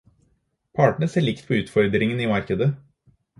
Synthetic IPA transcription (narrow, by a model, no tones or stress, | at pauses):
pʰɑːʈɳ̩əseːɭɪkt̪pʰɔʉːt̪fɔɾd̪ɾɪŋəniːmɑɾkəd̪ə